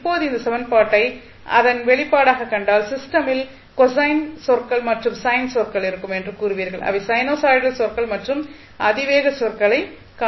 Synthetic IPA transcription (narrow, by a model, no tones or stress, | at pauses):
ɪpːoːðɯɪnd̪ɐsɛʋɐnpaːʈːɐɪ | ʔɐ̰ðɐnʋɛɭɪpːaːɽaːɣɐkːɐɳɖaːlsɪsʈɐmɪl | kɔsɐɪnsɔrkɐɭmɐʈrɯmsɐjnsɔrkɐɭɪɾɯkːɯmɛndrɯkuːrɯʋiːɾɣɐɭʔɐ̰ʋɐsɐjnoːsaːɪɽɐlsɔrkɐɭmɐʈrɯm | ʔɐðɪʋeːɣɐsɔrkɐɭɐɪ | ka